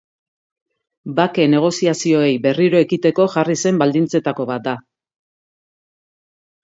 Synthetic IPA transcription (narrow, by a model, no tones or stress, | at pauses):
bake̞ne̞ɣ̞o̞siasio̞e̞jbe̞riɾo̞e̞kit̪e̞ko̞ʝarise̞mbald̪int͡se̞t̪ako̞βat̪̚d̪a